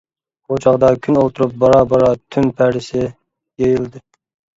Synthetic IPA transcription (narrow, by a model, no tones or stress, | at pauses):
ot͡ʃʰɑʁd̪ɑkʲʰynolˠt̪ʰuɾup̚bɑɾɑbɑɾɑt̪ʰynpʰæɾɪsɪ | jejilˠd̪ɨ